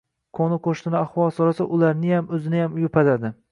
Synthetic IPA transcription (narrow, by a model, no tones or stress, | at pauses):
kʰonɪqʰoʃt̪ɪnɪaχwɒlˠsɒɾasaʔʊlaɾnɪjamɵzɪnajamjʊpʰalad̪ɪ